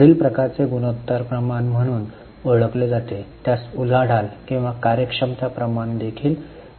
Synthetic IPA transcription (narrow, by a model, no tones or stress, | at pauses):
ɽiːlpɾəkaɾt͡seɡunot̪ːəɾpɾəmanm̤əɽ̃uːn | əɭəkled͡zat̪et̪jasul̤aɽ̤alkĩw̃ʋakaɾjəkʂəmt̪apɾəmaɳd̪ekʰiːl